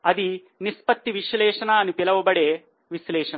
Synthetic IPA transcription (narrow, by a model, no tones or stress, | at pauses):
ɐd̪i | nispɐt̪ːiʋiʃlɛːʂɐnɐːɐnupilɐʋɐbɐɽeː | ʋislɛːʂɐn